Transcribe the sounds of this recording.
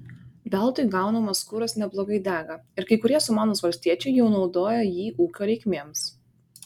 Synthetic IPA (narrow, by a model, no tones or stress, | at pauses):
bʲɛlˠt̪ʊɪɡɐˑʊnɐmɐskʊɾɐsnʲɛblˠoːɡɐɪd̪ʲæːɡɐɪɾkɐɪkʊɾʲiɛsʊmɑːnoːsʋɐlʲsʲt̪ʲiɛt͡ʃʲɛɪjɛʊnɒʊd̪oːjɛjiːʔuːkʲoːɾʲɛɪkʲmʲeːms